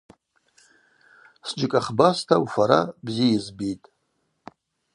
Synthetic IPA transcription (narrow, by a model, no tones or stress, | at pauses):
sd͡ʒɨkʼaχbastʰaufaɾa̰bzijizbitʼ